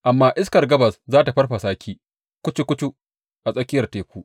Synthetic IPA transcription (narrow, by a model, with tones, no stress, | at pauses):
ʔa˨mːaː˦ʔɪ˦skɐ˨rɡɐ˦bɐ˨szaː˦ta˨ɸɐ˦rɸa˨saː˦kʲiː˦ | kʷʊ˦t͡ʃi˦kʷʊ˦t͡ʃu˦ | ʔa˨sʼɐ˦kʲɪ˦jɐ˨rteː˨˦kʷuː˦ʔ